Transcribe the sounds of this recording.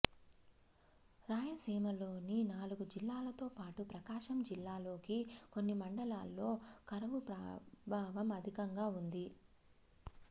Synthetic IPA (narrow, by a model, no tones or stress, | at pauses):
ɾaːjɐseːmɐlo̞ːninaːluɡud͡ʒilːaːlɐt̪o̞ːpaːʈupɾɐkaːʃɐmd͡ʒilːaːlo̞ːkikonːimɐɳɖɐlaːlːo̞ːkɐɾɐʋupɾɐbʱaːʋɐmɐd̪ʱikɐŋɡaːund̪i